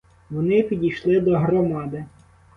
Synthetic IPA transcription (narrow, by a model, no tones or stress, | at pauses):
ʋɔnɪpʲidʲijʃlˠɪd̪ɔɦɾɔmɑd̪ɪ